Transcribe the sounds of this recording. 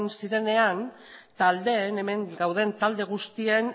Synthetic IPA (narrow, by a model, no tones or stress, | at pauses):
nsiɾe̞ne̞an | t̪ald̪e̞ne̞me̞ŋɡawðe̞nt̪ald̪e̞ɣ̞ust̪ien